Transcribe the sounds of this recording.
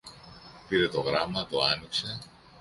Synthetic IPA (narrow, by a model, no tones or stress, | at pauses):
piɾe̞t̪o̞ɣɾɐmɐt̪o̞ɐnikse̞